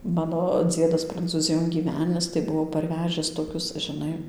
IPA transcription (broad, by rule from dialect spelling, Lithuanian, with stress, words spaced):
ˈmɑːnoː ˈd͡zʲiɛdɐs prɐnt͡suːˈzʲɪjoːn ɡʲiːˈʋʲæːnʲɪs tɐɪ ˈbʊʋoː pɐrʲˈʋʲæːʒʲɪs toːˈkʲʊs ʒʲɪˈnɐɪ